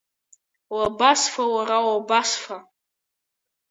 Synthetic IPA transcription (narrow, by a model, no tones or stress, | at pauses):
wabasfawaɾawabasfa